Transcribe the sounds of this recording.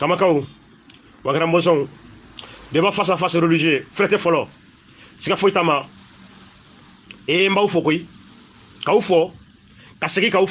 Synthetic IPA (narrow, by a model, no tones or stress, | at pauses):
kamakau | waɡaɾãmbos̬ɔ̃u | debafasãfasiɾeliʒiẽeflɛtɛfɔlɔ | sikafoitama | ejẽm̩baufɔkoi | kaufɔ | kaseɡikau